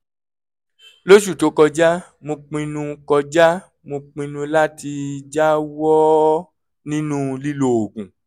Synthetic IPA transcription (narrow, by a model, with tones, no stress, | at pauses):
lo˦ʃ̬u˦˨to˨˦kɔ˧d͡ʒa˦ | mõ˧k͡pĩ˧nũ˧kɔ˧d͡ʒa˦ | mõ˧k͡pĩ˧nũ˧la˦ti˧d͡ʒa˦wɔ˦ | nĩ˦nũ˦li˦lo˧˨o˨ɡũ˨